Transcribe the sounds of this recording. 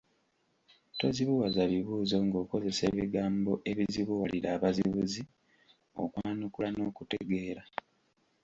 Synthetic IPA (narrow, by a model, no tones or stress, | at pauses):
to̞ziβuwazaβiβuːzo̞ŋɡo̞ːko̞ze̞se̞βiɡaːmbo̞ʔe̞βiziβuwaliɾaːβaziβuzi | o̰kwaːnukulano̞ːkute̞ɡe̞ːɾa